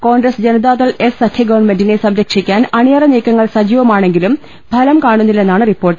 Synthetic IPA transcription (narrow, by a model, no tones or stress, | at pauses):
ko̞ːɳɡɾɐsd͡ʑɐnɐd̪aːt̪ɐɭesːɐkʰjɐɡɐʋɐrɳme̞ndine̞sɐmɾɐkʂikʲːaːnɐneːrɐneːkːɐŋːɐɭsɐd͡ʑiːʋɐmaːɳe̞ŋɡilum | bʱɐlɐmkaːɳunːilːe̞nːaːɳɨripːo̞ːrʈːɨ